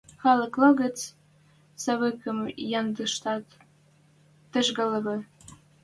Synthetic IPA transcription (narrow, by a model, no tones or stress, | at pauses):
xɑlɤ̆klɤ̆ɣə̆t͡s | sɑβəkə̆mjɑnd̪ə̆ʃt̪ɑt̪ | ə̆ʒɣɤ̆lɤ̆βɤ̆